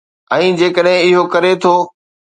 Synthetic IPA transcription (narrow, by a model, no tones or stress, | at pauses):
ɛ̃ːd͡ʑeːkəɗɦɪ̃ɪɦokɐɾet̪ʰoː